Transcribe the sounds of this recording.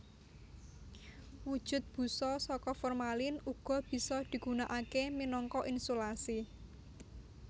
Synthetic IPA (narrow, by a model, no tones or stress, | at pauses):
wud̥ʒ̥ʊ̤t̪̚b̥ṳsɔsɔkɔfɔrmalɪnuɡ̥ɔ̤b̥i̤sɔd̪̥i̤ɡ̥ṳnaʔakeminɔŋkɔʔinsolasi